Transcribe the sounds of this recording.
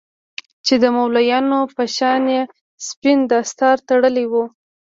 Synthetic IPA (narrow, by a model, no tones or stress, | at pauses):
t͡ʃed̪əmawlajɑnopəʃɑnje | spind̪əst̪ɑɾt̪aɽəliwu